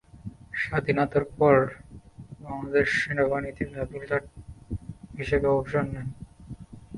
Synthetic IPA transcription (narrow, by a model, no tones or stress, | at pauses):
ʃad̪ʱinat̪oɾpɔɾ | baŋlad̪eɾʃenebanit̪imabult̪aʈ̚ | biʃebaubʃonːɛn